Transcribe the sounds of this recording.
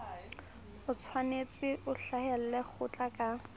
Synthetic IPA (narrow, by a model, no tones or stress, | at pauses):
ʊt͡sʰwanet͡sʼɪʔʊɬahɛl̩lɛk͡xʰʊt͡ɬʼakʼa